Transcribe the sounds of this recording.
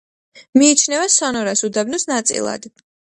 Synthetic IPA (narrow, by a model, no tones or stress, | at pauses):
miːt͡ʃʰnɛvasɔnɔɾasud̪abnɔsnat̪sʼḭlˠa̰d̪̥